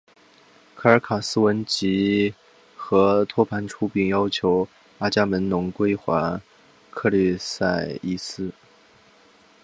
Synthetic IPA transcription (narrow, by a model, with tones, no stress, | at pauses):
kʰɤ˥˩ə˞˧˥kʰa˨˩sɹ̩˥wə˧˥nt͡ɕi˧˥ | xɤ˧˥t̪ʰwɔ˥pʰa˧˥nʈ͡ʂʰu˥pi˨˩ŋjɑ˥ʊt͡ɕʰjo˧˥ʊ | a˥t͡ɕja˥mə˧˥nnʊ˧˥ŋkwe˥ɪxwa˧˥ | kʰɤ˥˧ly˥˧sa˥˩ɪi˥˩sɹ̩˥˩